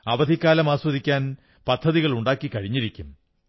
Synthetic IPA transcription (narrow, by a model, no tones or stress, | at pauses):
ɐʋɐd̪ʱikːaːlɐmaːswɐðikʲːaːn | pɐd̪ʱːɐðiɣɐɭuɳɖaːkːikɐɻiɲːiɾikʲːum